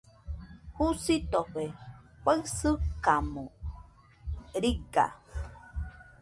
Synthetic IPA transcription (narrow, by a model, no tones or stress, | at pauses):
husit̪oɸe | kʷaɰsɨkamo | ɾiɡa̰